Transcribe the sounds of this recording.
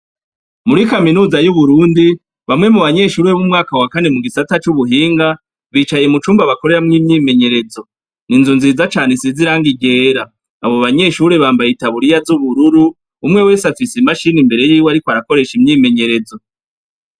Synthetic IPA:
muɾikaminuːzajuβuɾuːndi | βamŋe̞muβaɲe̞ʃuːɾeβumŋaːkawakane̞muɡisatat͡ʃuβuɦiːŋɡa | βiːt͡ʃaje̞mut͡ʃuːmbaβako̞ɾe̞ɾamŋiːmɲiːme̞ɲe̞ɾe̞zo̞ | ninzunziːzat͡ʃaːne̞siziɾaːŋɡiɡe̞ːɾaː | βo̞βaɲe̞ʃuɾe̞βaːmbajitaβuɾijazuβuɾuɾuː | mŋe̞we̞ːsafisimaʃinimbe̞ɾe̞jiːwaɾikoaɾako̞ɾe̞ʃimɲiːme̞ɲe̞ɾe̞zo̞

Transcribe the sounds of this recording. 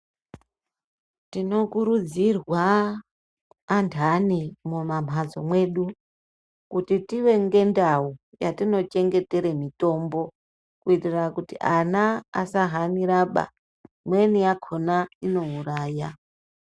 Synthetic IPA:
tino̞kuɾud͡zirwa | ntʰanimumam̤ʱad͡zomwe̞ːɗu | kutitiwe̞ŋɡe̞ndau | jatino̞t͡ʃe̞ŋɡe̞te̞ɾemito̞mbo̞ | kuitirakutiʔana̰ːsaɦaniɾaɓa̰ | mwe̞niakʰo̞naino̞uraːja

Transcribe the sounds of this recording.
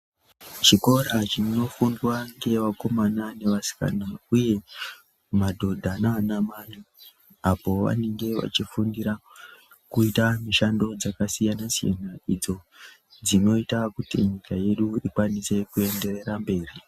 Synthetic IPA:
t͡ʃiko̞ɾat͡ʃino̞fundwaŋɡe̞ʋako̞manane̞ʋasi̥ka̰nauje̞ | madʱo̞dʱananamanu | apo̞ʋa̰ne̞ŋɡe̞ʋa̰t͡ʃifundiɾa | kuitamiʃando̞d͡zakasijanasija̰naid͡zo̞ | d͡zino̞itakutiɲikaje̞ɗuikwanise̞kue̞nde̞re̞ɾambe̞ːri

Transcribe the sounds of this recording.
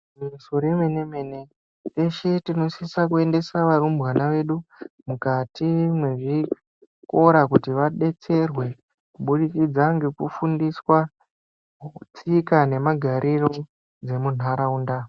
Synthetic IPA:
mmusoɾeme̞ne̞mene̞ | eʃetino̞sisak̬ue̞nde̞saʋaɾumbwanaʋe̞ɗumukatʰimwe̞ʐi | ko̞ɾakutiʋaɗe̞t͡se̞rwe̞ | kuɓuɗikid͡zaŋɡe̞kufundiswa | t͡sikane̞maɡʱaɾʔiro̞ | d͡ze̞mun̤aɾauːnda

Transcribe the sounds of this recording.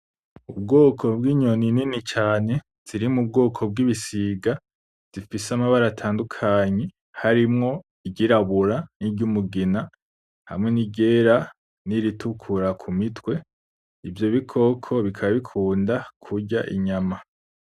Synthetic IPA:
ub̚ɡo̞ːkʰo̞bwiːɲo̞nininit͡ʃaːne̞ | z̥iɾimub̚ɡo̞ːkʰo̞b̚ɡiβisiːɡa | z̥ifisamaβaɾatʰaːndukʰaːɲe̞ | haɾimŋo̞ | iɟiɾaβuɾaniɟumuɡina | ha̰mŋe̞niɟe̞ːɾa | niɾitukʰuɾakʰumitwe̞ | ivjo̞βikʰo̞kʰo̞βikʰaβaβikʰuːndakʰuɾɟaʔḭɲama

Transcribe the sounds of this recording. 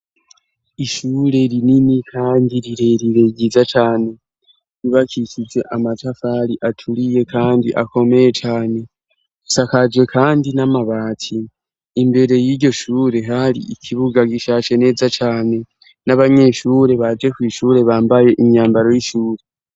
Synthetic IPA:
iʃuːɾe̞ɾininikʰaːndiɾiɾe̞ɾiɾe̞ɟizat͡ʃaːne̞ | ɾiβakʰicize̞ʔamatafaɾiʔatʰulije̞kʰaːndḭʔako̞me̞je̞t͡ʃaːne̞ | sakad͡ʒwe̞kʰaːndinamaβaːtʰiː | mbe̞ɾe̞jiɾɟo̞ʃuːɾe̞ɦaɾḭikʰiβuɡaɡiʃat͡ʃe̞ne̞ːzat͡ʃaːne̞ | naβaɲe̞ʃuːɾe̞βad͡ʒe̞kwiːʃuːɾe̞βaːmbaje̞ʔiɲaːmbaɾo̞jiʃuːɾe̞

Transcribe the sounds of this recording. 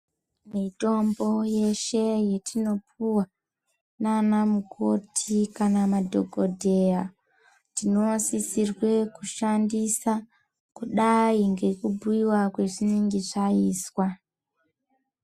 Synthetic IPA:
mito̞mbo̞je̞ʃe̞jetʰino̞puwa | nanamuko̞tʰikanamadʱo̞ɡʱo̞dʱe̞ja | tino̞sisirwe̞kuʃandisa | kuɗaiŋɡe̞kubʱuiwakwe̞ʐiniŋɡiʐaiːswa

